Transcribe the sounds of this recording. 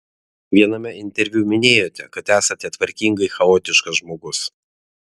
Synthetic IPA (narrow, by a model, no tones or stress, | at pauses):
ʋʲiɛnɐmʲɛɪnʲt̪ʲɛɾʲʋʲumʲɪnʲeːjoːt̪ʲɛkɐt̪æːsɐt̪ʲɛt̪ʋɐɾʲkʲiŋɡɐɪxɐoːt̪ʲɪʃkɐsʒmoːɡʊs